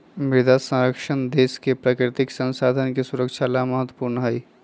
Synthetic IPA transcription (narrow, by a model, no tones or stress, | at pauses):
mɪɾd̪asə̃ɾəkʃənd̪eːskepɾaːkɾɪt̪ɪksə̃nsaːd̪ʱənkesʊɾəkʃʰalaməɦət̪wəpuːɾnəɦɐi